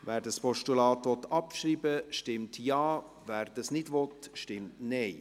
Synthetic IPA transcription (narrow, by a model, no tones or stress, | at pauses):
vɛːɾdɑspʰɔʃtulɑːt̪ʋɔt̪ɑpʃɾiːbəʃtɪmtjɑː | væːɾd̥ɑsnɪdʋɔtʃtɪmtnɛɪ